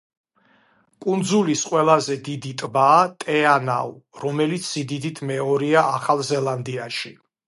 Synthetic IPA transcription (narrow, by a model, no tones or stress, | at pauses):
kʼund̪zulisqʼwɛlˠazɛd̪id̪it̪ʼbaːt̪ʼɛana̰uɾɔmɛlit̪sʰz̥id̪id̪it̪ʰmɛɔɾiaʔaχalˠzɛlˠand̪iaʃi